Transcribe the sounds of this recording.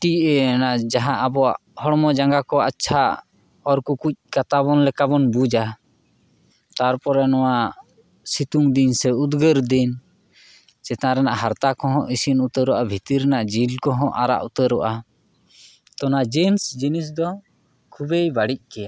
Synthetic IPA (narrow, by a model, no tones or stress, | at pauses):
ʈiɛnaʔd͡ʒaɦãʔabɔa̰ʔhɔɽmɔd͡ʒaŋɡakɔat͡ʃʰa | ɔɾkukuc̚ˀkat̪aβɔnlɛkabɔnbud͡ʒa | t̪aɾpɔɾɛnɔwa | sit̪uŋd̪insɛud̪ɡəɾd̪in | t͡ʃɛt̪aɾɛnaʔɦaɾt̪akɔɦɔ̃ʔisinut̪əɾuʔabʱit̪iɾɛnaʔd͡ʒilkɔɦɔ̃ʔaɾa̰ʔut̪əɾɔʔa | t̪ɔnad͡ʒinsd͡ʒinis̬d̪ɔ | kʰubejbaɽic̚kɛa